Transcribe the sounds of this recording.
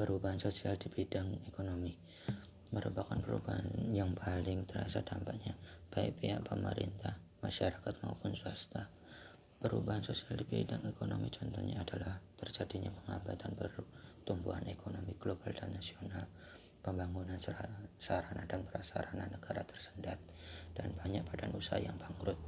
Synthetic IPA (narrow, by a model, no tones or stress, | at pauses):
pəɾubaɦansosialdibidaŋekonomi | məɾupakanpəɾṵbaɦanjaŋpʰalɪŋt̪əɾa̰sadampaʔɲab̥aɪ̰k̚piɦaʔpəməɾḭnt̪ah | maʃaɾakat̪̚maupʊnsuast̪a | pəɾubaɦansosialdibidaŋekonomit͡ʃɔnt̪ɔɲaːdalaht̪ərd͡ʒadiɲapəŋabat̪anpərt̪umbuɦanekʰonomiɡlobaldanːasional | pəmbaŋunanssɾanadanpəɾasaɾananːəɡaɾat̪ə̥rsə̥ndat̪̚d̥anbaɲaʔpadanusaɦa̰jaŋbaŋɾʊt̪̚